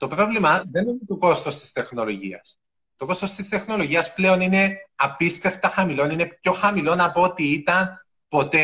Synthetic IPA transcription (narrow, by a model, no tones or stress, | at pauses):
t̪o̞pɾo̞vlimɐðe̞nine̞t̪oko̞st̪o̞st̪i̥st̪e̞xno̞lo̞ʝḭɐ̰s | t̪o̞ko̞st̪o̞st̪ist̪e̞xno̞lo̞ʝiɐsple̞o̞nine̞ɐpist̪e̞ft̪ɐxɐmilo̞nine̞pço̞xɐmilo̞nɐpoot̪iit̪ɐn | po̞t̪e